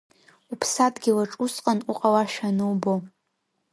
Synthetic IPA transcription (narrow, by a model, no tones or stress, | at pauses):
upʰsadɡʲilaʈ͡ʂʼusqʼanuqʼawaʃᶣanɨwbo